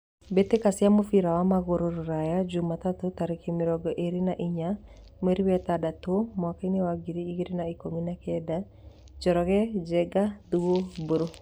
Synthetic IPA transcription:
bet̪ekasɪamofiɾawamaɣoɾoɾoɾajad͡ʒumat̪at̪ot̪aɾikemiɾɔɡɔʔeɾinaʔiɲa | meɾiwɛt̪adat̪omakanɪwaɡiɾiːɡiɾinaikominakɛd̪a | d͡ʒɔɾɔɣɛd͡ʒɛɡad̪uwoboɾo

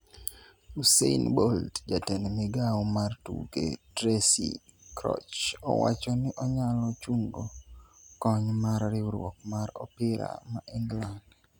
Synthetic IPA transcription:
useinboldd͡ʒatɛnmɪɡaɔmartṵɡedɾesḭ | kɾɔ̰t͡ʃɔ̰wa̰t͡ʃɔnɪʔɔɲalɔt͡ʃuŋɡokɔɲmarːɪɾwɔ̰kmaɾɔpɪɾa̰maʔɪŋɡland

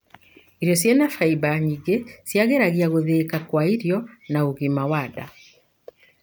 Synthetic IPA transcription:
iɾjɔsjanafaibaɲiɡesjaɣeɾaɣiaɣoðekakwaiɾjɔnaoɣimawada̰

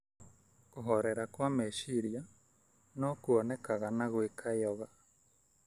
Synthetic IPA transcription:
koɦoɾeɾakwameʃiɾia | nokuonekaɣanaɣwekʰaɔɣa

